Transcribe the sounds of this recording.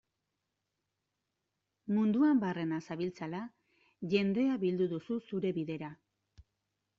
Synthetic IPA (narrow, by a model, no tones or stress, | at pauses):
mund̪uambare̞nasaβilt͡sala | ʝe̞nd̪e̞aβild̪uðususuɾe̞βiðe̞ɾa